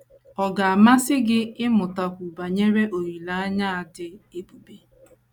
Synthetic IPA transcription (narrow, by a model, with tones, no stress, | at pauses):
ɔ˨ɡa˨a˨ma˦sɪ˦ɡɪ˦ɪ˦mʊ˨ta˨kʷu˨ba˨ɲe˦ɾe˦ʔo˨ɾi˨la˨˦a˦ɲa˦a˨dɪ˦e˦bu˨be˦